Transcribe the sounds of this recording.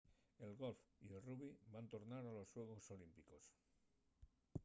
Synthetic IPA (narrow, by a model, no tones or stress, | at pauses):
e̞lɣo̞lfielruβibant̪o̞ɾnaɾalo̞sːwe̞ɣoso̞limpiko̞s